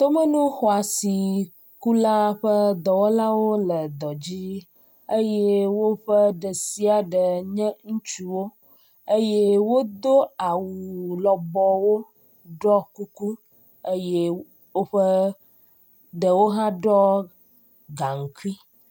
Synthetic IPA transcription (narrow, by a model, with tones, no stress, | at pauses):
t̪o˦mə˦nũ˦xɔ˨a˨si˨ | ku˦la˦ɸə˦d̪ɔ˨wɔ˦la˦wo˦lə˨d̪ɔ˨d͡ʑi˦ | ə˦je˦wo˦ɸə˦ɖə˨si˦a˨ɖə˨ɲɛ̃˦ŋũ˦t͡ʃu˦wo˦ | ə˦je˦wo˦d̪o˦a˨wu˨lɔ˨bɔ˨wo˦ | ɖɔ˦ku˦ku˦ | ə˦je˦ | wo˦ɸə˦ | ɖə˨wo˦ɦã˦ɖɔ˦ | ɡa˨ŋ̩˨ki˦